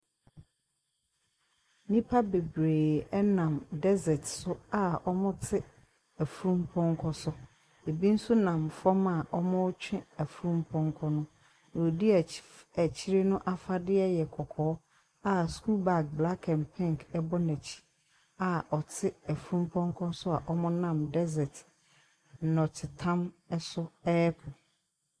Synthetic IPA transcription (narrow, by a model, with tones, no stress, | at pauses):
nĩ˦pʰa˦be˨bɾeː˨ɛ˦nã˨mdɛ˦zɛ˨tsʊ˦a˦ɔ˦mʊ̃˦tʰɪ˦ | æ˨fu˨ɾũ˦mpʰɔ̃˦ŋ˦kʰɔ˦sʊ˦ | e˨bi˦n̩˦su˦nã˨mfɔ˦ma˨ʔɔ˦mʊ̃˦ʊ˦t͡ɕʰᶣɪ̃˦æ˨fu˨ɾũ˦mpʰɔ̃˦ŋ˦kʰɔ˦nʊ̃˦ | n˨o˨di˦˨æ˨t͡ɕʰi˦ɾe˦nʊ̃˦ʔa˦fa˦dɪ˦ɛ˦jɛ˨kʰɔ˨kʰɔː˨˦ | a˦sku˦ba˨k̚bla˦kʰɛ̃˨npʰɪ̃˦˨ŋkɛ˦bɔ˦næ˨t͡ɕʰi̥˦ | a˨ɔ˨tʰɪ˦æ˨fu˦ɾũ˦m˦pʰɔ̃˦ŋ˦kʰɔ̃˦n˦sʊ˦a˨ʔɔ˦mɔ̃˦nã˨mdɛ˦zɛ˨t̩˨ | nɔ̃˨tʰɪ˨tʰã˦m | ɛ˦sʊ˦ɛː˦pʰʊ˨